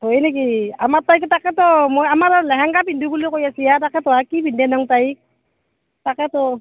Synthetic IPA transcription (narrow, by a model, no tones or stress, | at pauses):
hojnek̬iamatajktakɛtɔmojamaɾlɛɦaŋɡapindukulikojasijatakɛtɔakibindɛnaŋtajk̚ | takɛtɔ